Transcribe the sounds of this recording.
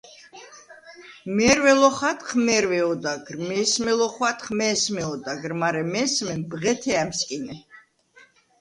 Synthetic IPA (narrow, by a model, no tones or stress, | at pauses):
mɛɾwɛlɔχat̪χmɛɾwɛɔd̪aɡrmɛsmɛlɔχwat̪χmɛsmɛɔd̪aɡɾmaɾɛmɛsmɛnbʁɛt̪ʰɛamskʼinɛ